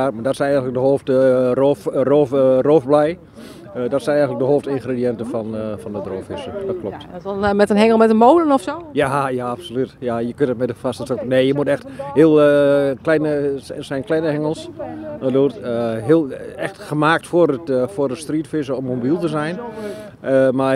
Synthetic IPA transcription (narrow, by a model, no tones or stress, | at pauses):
amadɔtsɛnɛjɣŋnlək̚dəhːftəroːfroːfroːfblɛj | dɔtsɛnɛjɣnlək̚dəɦoːftɪnxrediɛntəfɔnfɔndədroːfɪsədɔt̚kʰlɔp̚tmɛtənhɛŋəlˠmɛtənmoːlənɔfsojajaapsolytjajəkøntət̚mɛtdəfastəsokneːjəmutɛxtheəlˠklɛnəsɛjnklɛnəhɛŋəlˠsəduːtəɦɪəlˠɛxtxəmaːk̚tforətforətstriːtfisəɔmːobilˠtəzɛjn | əma